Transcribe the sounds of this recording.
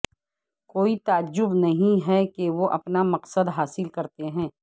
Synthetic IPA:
koːit̪aːd͡ʒːʊbnɐɦĩɦɛkeʋoʔɐ̰pnamɐqsəd̪ɦaːsɪlkɐɾt̪eɦɛ̃ː

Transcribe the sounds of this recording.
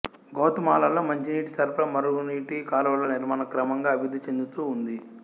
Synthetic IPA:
ɡoːt̪umaːlɐlːoːmɐɲt͡ʃiniːʈisɐɾplɐmɐɾuɡuniːʈikaːlɐʋɐlːɐniɾmaːnɐkɾɐmɐŋɡaːɐbid̪ɐt͡ʃend̪ut̪uːnd̪i

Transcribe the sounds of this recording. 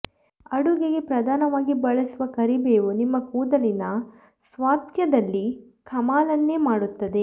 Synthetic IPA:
ɐɽuɡeɡe̞pɾɐd̪ʱaːnɐʋaːɡibɐɭɐsuʋɐkɐɾibeːʋunimːɐkuːd̪ɐlinɐ | sʋaːt̪ʰjɐd̪ɐlːi | kʰɐmaːlɐnːe̞ːmaːɽut̪ːɐd̪e̞

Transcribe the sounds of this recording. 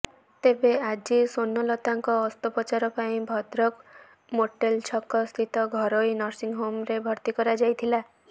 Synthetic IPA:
t̪ebead͡ʒisonːɔlɔt̪aŋkɔːst̪ɔpɔt͡ʃaɾɔpaĩbʱɔd̪ɾɔk | moʈelt͡ʃʰɔkːɔst̪ʰit̪ɔɡʱɔɾojnɔɾsiŋɡɦomɾebʱɔɾt̪ikɔɾad͡ʒajt̪ʰila

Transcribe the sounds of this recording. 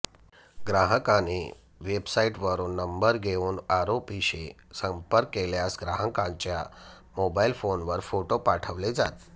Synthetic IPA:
ɡɾaɦəkani | ʋebsaiʈʋəɾuːnːəmbəɾɡʱeuːnaɾopiɕe | səmpəɾkːeljasɡɾaɦəkãɲt͡ɕja | mobailfonʋəɾfoʈopaʈʰəʋled͡za̰t̪

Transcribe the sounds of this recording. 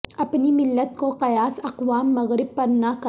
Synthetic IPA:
ɐpnimɪlːət̪̚koqɐjaːsɐqʋaːmːɐɣɾɪb̚pɐɾnak

